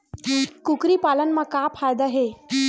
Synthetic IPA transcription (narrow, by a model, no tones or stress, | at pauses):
kukɾiːpalənmakapʰajd̪aɦe